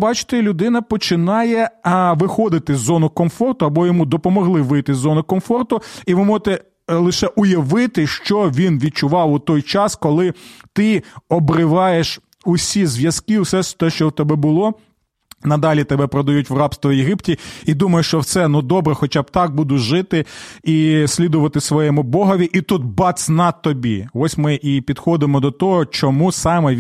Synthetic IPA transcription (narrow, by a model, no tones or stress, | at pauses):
bɑt͡ʃɪ̥t̪ɪlʲʊd̪ɪnɐpɔt͡ʃɪnɑjɛʋɪxɔd̪ɪt̪ɪzːɔnʊkɔmfɔrt̪ʊɐbɔjɔmud̪ɔpɔmɔɦlˠɪʋɪjt̪ɪzːɔnʊkɔmfɔrt̪ʊiʋɪmɔʒt̪ɛ | lˠɪʃɛʔʊjɐʋɪt̪ɪʃt͡ʃɔʋʲinʋʲid̪̚t͡ʃʊʋɑwʊt̪ɔjt͡ʃɑskɔlˠɪt̪ɪɔbɾɪʋɑjeʃ | ʊsʲizʋʲjɐskɪwsɛʃt̪ɛʃt͡ʃɔwt̪ɛbɛbʊlˠɔ | nɐd̪ɑlʲit̪ɛbɛpɾɔd̪ɐjutʲʋrɑpst̪ʋɔjeɦiptʲiid̪umɐjeʃt͡ʃɔwt̪sɛnud̪ɔbɾɛxɔt͡ʃɑb̚t̪ɑk̚bud̪ʊʒɪt̪ɪisʲlʲid̪ʊʋɐt̪ɪsʋɔjɛmʊbɔɦɐʋʲiʔit̪ut̪̚bɑt̪sʲnɑt̪ːɔbʲḭɔsʲmɪʔipʲid̪xɔd̪ɪmɔd̪ɔt̪ɔɦɔt͡ʃɔmusɑmɛ